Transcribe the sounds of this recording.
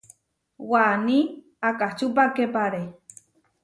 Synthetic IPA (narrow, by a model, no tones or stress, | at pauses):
wani | akaht͡ʃupakepaɾe